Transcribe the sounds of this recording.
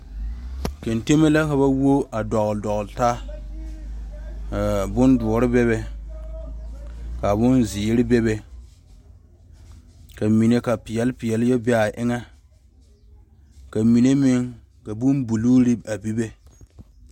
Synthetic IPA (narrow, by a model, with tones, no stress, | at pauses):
ke˨nte˦me˦la˦ka˨ba˦wo˦a˨dɔ˨ɣldɔ˨ɣlta˦ | ka˨bʊ˦ndʊ˨ɾɪ˦bɛ˦βɛ˨ | ka˨bʊ˦nzi˨˦ɾɪ˦bɛ˦bɛ˨ | ka˨mi˨ne˦ka˨pɪ˨jɛ˨˦lpɪ˨jɛ˨ljɛ˦bɛ˦a˨ʔɪ˦ŋa˦ | ka˨mi˨ne˦mɪ˦ŋ | ka˨bʊ˦mbu˨luː˦ɾɪ˦a˨bi˦bɛ˦